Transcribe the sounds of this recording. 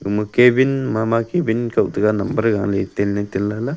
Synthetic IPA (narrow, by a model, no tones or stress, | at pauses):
ɡumɨkebinmamakebinkawt̪əɡanɐmbəɾɡaŋlet̪elnet̪ilːala